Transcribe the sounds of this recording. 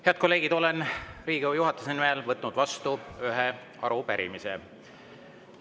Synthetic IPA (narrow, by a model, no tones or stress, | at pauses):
he̞ɑd̪̚ko̞lːe̞ːɡ̥id̪̥o̞le̞nriːɡ̥ijuɦɑt̪ːˑusenimelvɤt̪ːˑnud̪̥vɑst̪uyɦe | ɑ̰ɾupæɾḭmisḛ